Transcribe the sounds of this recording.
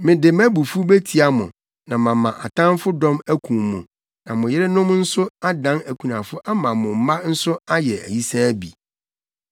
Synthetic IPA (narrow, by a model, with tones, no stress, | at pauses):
mɪ̃˨dɪ˨mæ˦bu˨fu˦be˦tʰi˨a˨mʊ̰̃˨ | nã˨mã˨mã˨ʔa˨tʰã˦nfʊ˦dɔ̃˦mæ˦kʰũ˨mũ˨ | nã˨mʊ̃˨jɪ˦ɾɪ˦nʊ̃˦mn̩˦sʊ˦a˦dã˦næ˨kʷʰu˨nã˨fʊ˦ʔa˦mã˨mʊ̃˨m̩˦mã˦n̩˦sʊ˦a˦jɛ˨æ̰˨ji˦sa˦bi˨